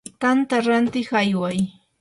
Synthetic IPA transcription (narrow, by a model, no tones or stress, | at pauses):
t̪ant̪aɾant̪ɪχajwaj